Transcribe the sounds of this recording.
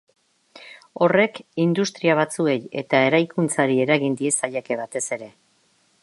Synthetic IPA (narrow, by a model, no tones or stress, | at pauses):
o̞re̞kind̪ust̪ɾiaβ̞at͡sue̞je̞̰t̪ae̞ɾajkunt͡saɾie̞ɾaɣind̪ie̞saʎeke̞βat̪e̞se̞ɾe̞